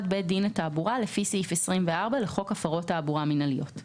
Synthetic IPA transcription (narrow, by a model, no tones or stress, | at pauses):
d̚bed̪inataːbuʁalefisifesʁimveaʁbaleχo̞kafaʁo̞tːaːbuʁaminalijo̞t